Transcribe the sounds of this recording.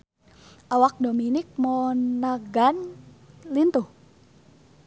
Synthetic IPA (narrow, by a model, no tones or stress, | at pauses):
ʔawak̚dominik̚mɔnaɡan | lint̪uh